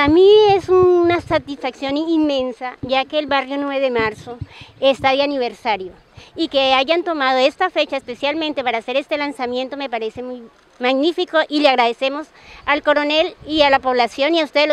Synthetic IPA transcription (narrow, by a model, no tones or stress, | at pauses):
amie̞sunasat̪isfaksjo̞ninmẽ̞nsaʝake̞ːlβarjo̞nweβeðemaɾso̞est̪aðjaniβe̞ɾsaɾjo | ikeaʝant̪o̞mað̞oe̞st̪afe̞t͡ʃaespe̞sjalmẽnt̪e̞paɾaːse̞ɾe̞st̪e̞lansamje̞nt̪o̞me̞paɾe̞se̞muj | maɣnifiko̞ʔileaɣɾaðe̞se̞mo̞s | alko̞ɾo̞nelialapo̞β̞lasjo̞niaust̪ee